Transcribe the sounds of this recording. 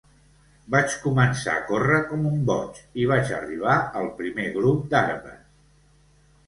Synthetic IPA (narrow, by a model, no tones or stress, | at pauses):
bat͡ʃkumənsa̰əkorəkɔmumbɔt͡ʃiβ̞at͡ʃə̰riβ̞aəlˠpɾimeɣɾup̚d̪aɾβə̰